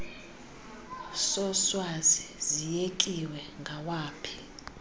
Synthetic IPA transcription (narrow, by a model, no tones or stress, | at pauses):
sɔswazizijekʼiwɛŋɡʱawaːpʰi̥